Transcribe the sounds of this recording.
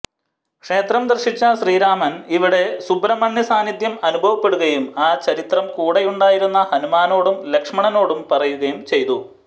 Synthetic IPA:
kʂe̞ːt̪rɐmd̪ɐrɕit͡ɕːɐɕriːɾaːmɐniʋiɽe̞subrɐmɐɳːjɐsaːnid̪jɐmɐnubʱɐʋɐpːe̞ɽuɣɐjumaːt͡ɕɐɾit̪rɐmkuːɽejuɳɖaːjiɾunːɐhɐnumaːno̞ːɽumle̞kʂmɐɳɐno̞ːɽumpɐrɐjuɣɐjumt͡ɕe̞jt̪u

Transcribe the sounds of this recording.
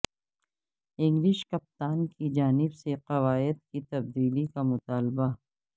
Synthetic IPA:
ɪ̃ŋɡlɪʃkɐp̚t̪aːnkid͡ʒaːnɪbseqɐʋaːɪd̪̚kit̪ɐb̚d̪iːlikamʊt̪aːlba

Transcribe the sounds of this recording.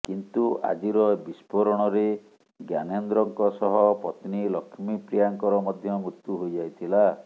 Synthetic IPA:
kint̪uʔa̰d͡ʒiɾɔbispɔɾɔɽ̃ɔɾe | ɡjanɔnd̪ɾɔŋkɔsɔɦɔpɔt̪nilɔkʰmipɾijaŋkɔɾɔmɔd̪ʱjɔmɾut̪juɦojd͡ʒajt̪ʰila

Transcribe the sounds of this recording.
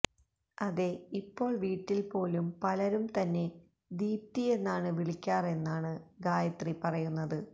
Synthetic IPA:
ɐðe̞ipːo̞ːɭʋiːʈːilpo̞ːlumpɐlɐɾumt̪ɐnːe̞ | d̪iːp̚t̪ie̞nːaːɳɨʋiɭikʲːaːre̞nːaːɳɨɡaːjɐt̪ripɐrɐjunːɐðɨ

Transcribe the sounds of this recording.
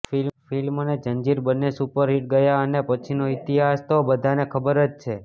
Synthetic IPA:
filfilmoned͡ʒənd͡ʒiɾbənːesupəɾɦiʈɡəjaənepət͡ʃʰinoit̪iɦast̪obəd̪ʱanekʰəbəɾət͡ʃt͡ʃʰe

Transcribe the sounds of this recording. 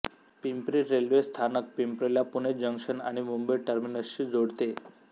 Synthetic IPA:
pimpɾiɾelʋest̪ʰanək̚pimpɾeljapuned͡ʑəŋkʂəna̰ɽ̃imumbəjʈəɾminəsɕiːd͡zoɽt̪e

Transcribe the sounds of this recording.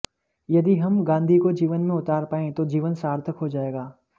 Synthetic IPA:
jɐd̪iɦɐmɡãːnd̪ʱikod͡ʒiːʋənmẽʊt̪aːɾpaːẽt̪od͡ʒiːʋənsaːɾt̪ʰəkɦod͡ʒaːeːɡaː

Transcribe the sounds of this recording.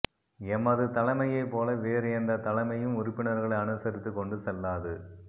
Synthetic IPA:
ɛmːɐðɯt̪ɐlɐmɐjɐɪpːoːlɐʋeːɾɯɛnd̪ɐt̪ɐlɐmɐjɯmʊɾʊpːɪɳɐɾɣɐɭɐɪɐnɯsɐɾɪt̪ːɯkːɔɳɖɯsɛlːaːðɯ

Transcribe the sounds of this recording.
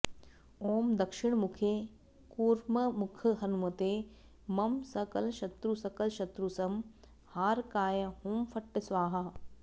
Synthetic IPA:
oːmd̪ɐkʃɪɳmukʰe | kuːɾmɐmukʰɐɦɐnumɐt̪eː | mɐmsɐkɐlʃɐt̪ɾusɐkɐlʃɐt̪ɾusɐm | haːɾkaːjɐhumfɐʈːɐsʋaːɦɐ

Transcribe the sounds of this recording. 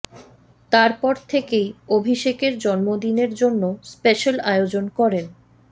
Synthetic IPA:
t̪aɾpɔɾt̪ʰekejobʱiʃekeɾd͡ʑɔnmod̪ineɾd͡ʑonːospeʃalaeod͡ʑonkɔɾen

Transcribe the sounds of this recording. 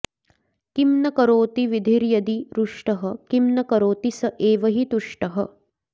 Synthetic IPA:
kimnɐkɐɾoːt̪iʋid̪ʱiɾjɐd̪iɾuʂʈɐɦɐkimnɐkɐɾoːt̪isɐʔeːʋɐɦit̪uʂʈɐɦɐ̆

